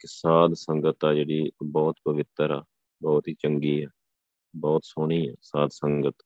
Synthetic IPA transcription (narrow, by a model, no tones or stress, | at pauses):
kɪsaːd̪səŋɡət̪aːd͡ʒeːɽiːbɔːt̪pəʋɪt̪ːəɾaː | bɔːt̪ɦiːt͡ʃəŋɡiːɛː | bɔːt̪soːɽ̃iːɛːsaːd̪səŋɡət̪